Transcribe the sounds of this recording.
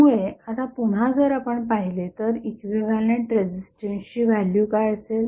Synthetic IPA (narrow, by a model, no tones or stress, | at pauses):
muɭeat̪apuɽ̤ad͡zəɾapəɳpaɦilet̪əɾikʋiʋaleɳʈɾed͡ʑisʈenɕiːʋaljukaɭsel